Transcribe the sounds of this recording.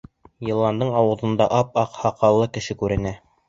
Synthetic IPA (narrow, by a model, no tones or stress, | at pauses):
jĕlˠːɑnd̪ɤɴɑwɤ̆ðɤ̆nd̪ɑʔɑp̚ɑqhɑqɑlˠːɤkɘ̆ʃɘkʉɾɘ̆næ